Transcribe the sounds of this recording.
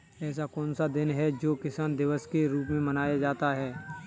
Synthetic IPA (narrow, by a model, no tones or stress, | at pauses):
ɛːs̬akɔ̃ːnsad̪ɪnɦɛd͡ʒoːkɪsaːnd̪ɪʋəskeɾuːp̬mẽmɐnaːjad͡ʒaːt̪aɦɛː